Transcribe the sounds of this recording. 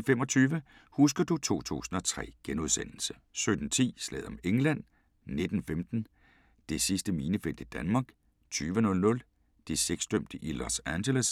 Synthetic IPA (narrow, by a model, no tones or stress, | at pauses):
fem̰ɒ̽t͡sʰyːʋə | husɡ̥ɐd̥ut͡sʰo̝̰ːt͡sʰṵːsn̩ɒ̽t͡sʰʁɛ̰ːɡ̥enuðˠsen̰l̩sə | sød̥n̩t͡sʰḭːslɛ̰ð̞̩̰ˠɒ̽meŋlæn̰ | ne̝d̥n̩femd̥n̩ | d̥e̝sisd̥əmiːnəfel̰d̥id̥ænmɑ̈ːɡ̥ | t͡sʰyːʋənɔ̽lnɔ̽l | d̥eseɡ̥sd̥øm̰d̥əʔilɒsænɕeləs